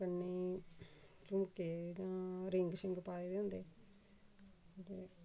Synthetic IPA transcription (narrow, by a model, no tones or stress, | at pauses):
kənːiː | t͡ʃʊmkeːd͡ʒãːɾɪŋɡsɪŋɡpaːeːd̪eːɦʊ̃nd̪eː | ot̪eː